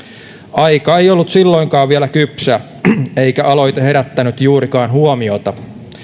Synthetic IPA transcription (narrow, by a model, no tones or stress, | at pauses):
ɑjkɑejolːut̪silːo̞iŋkɑːʋʋielækypsæ | e̞ikæʔɑlo̞jt̪ehe̞ɾæt̪ːænyt̪juːɾikɑːnɦuomio̞t̪ɑ